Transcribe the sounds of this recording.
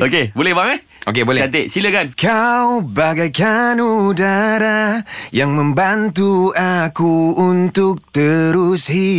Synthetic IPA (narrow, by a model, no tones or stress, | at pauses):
ʔokebolɛhbaŋə | ok̬ebolɛat̪eʔsiləkankawbaɡajkanudaɾajaŋmə̃mbant̪uakuːnt̪ʊk̚t̪əɾusɦi